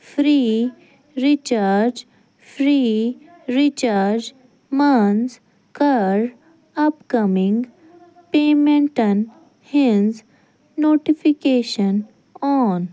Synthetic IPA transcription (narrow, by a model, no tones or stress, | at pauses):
fɾiː | ɾit͡ʃaɾd͡ʒ | fʰɾiː | ɾit͡ʃaɾd͡ʒ | manz | kaɾ | ɐpkɐmɪ̃ŋɡ | peːmẽɳʈən | hɪnz | noːʈifikeːʃən | ɔːn